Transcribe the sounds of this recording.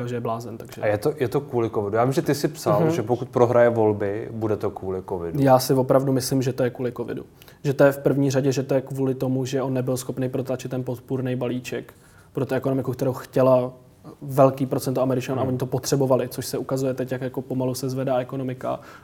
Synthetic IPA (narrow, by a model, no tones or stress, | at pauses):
kalʒɛjɛblaːzɛnt̪aɡʒɛ̰ajɛt̪ojɛt̪okvuːlɪkovɪdujaːvimʒɛt̪ɪsɪpsalʒɛpokut̪̚pɾoɦɾajɛvo̞lbɪbudɛt̪okvuːlɪkovɪ̰dujaːsɪvo̞pɾavdumɪslɪmʒɛt̪o̞jɛkuːlɪko̞vɪ̰dṵ | ʒɛt̪o̞jɛfpr̩vɲiːraɟɛʒɛt̪o̞jɛkvuːlɪt̪o̞muʒɛʔo̞nːɛbɪlsxo̞pnejpɾo̞t̪lat͡ʃɪt̪ːɛnpot̪puɾnejbaliːt͡ʃɛk | pɾo̞t̪uɛkono̞mɪkukt̪ɛɾowxcɛla | vɛlkiːpɾo̞t͡sɛnt̪oamɛɾɪt͡ʃanuʔaoɲɪt̪opo̞t̪r̝̥ɛbo̞valɪt͡so̞ʃsɛʔukazujɛt̪ɛcjakjako̞po̞malusɛzvɛdaːɛkono̞mɪka̰